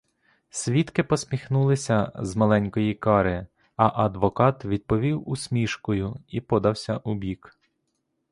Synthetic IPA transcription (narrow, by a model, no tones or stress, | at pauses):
sʲʋʲit̪kɪpɔsʲmʲixnulˠɪsʲɐzmɐlˠɛnʲkɔjikɑɾɪ | ɐʔɐd̪ʋɔkɑt̪ʋʲid̪̚pɔʋʲiwusʲmʲiʃkɔjʊipɔd̪ɐwsʲɐʔubʲik